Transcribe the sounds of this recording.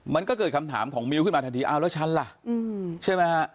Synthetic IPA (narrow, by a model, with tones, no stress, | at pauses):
ma˧nkɔː˥˩kɤː˨˩t̪̚kʰa˧mt̪ʰa̰ː˩˦mkʰɔː˩˦ŋmi˧wkɯ˥˩nmaː˧t̪ʰa˧t̪ʰiː˧ʔaː˧˩wlɛ˦˥t͡ɕʰa˦˥nla˨˩ʔt͡ɕʰaː˥˩jmaː˦˧˩